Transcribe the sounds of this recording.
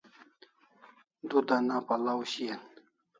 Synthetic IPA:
d̪ud̪anapalawɕian

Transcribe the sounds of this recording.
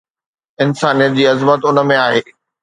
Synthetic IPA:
ɪnsaːnijət̪̚d͡ʑiːɐzmət̪ʊnə̆mẽaːɦeː

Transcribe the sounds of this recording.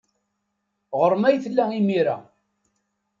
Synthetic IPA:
ʁəɾˤmæjθlːæimiɾa̰

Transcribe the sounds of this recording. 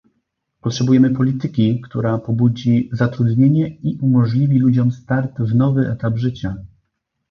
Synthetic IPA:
pɔtʂɛbujɛmɘpɔlʲit̪ɘkʲikt̪uɾapɔbud͡ʑizat̪ɾud̪ɲeɲɛiʔumɔʐlʲivʲilud͡ʑɔmst̪aɾd̪vnɔvɘʔɛ̰t̪abʐɘt͡ɕa

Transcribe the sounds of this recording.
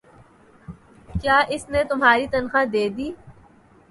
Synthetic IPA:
kjaːʔɪsnet̪ʊmɦaːɾit̪ɐnxad̪eːd̪iː

